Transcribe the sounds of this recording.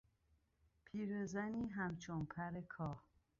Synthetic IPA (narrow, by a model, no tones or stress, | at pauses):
pʰiːɾezæniːɦæmt͡ʃʰonpʰæɾekʰɒːh